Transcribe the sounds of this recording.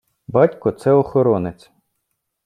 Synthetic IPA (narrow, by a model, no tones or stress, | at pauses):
bɑtʲkɔt̪sɛɔxɔɾɔnɪt͡sʲ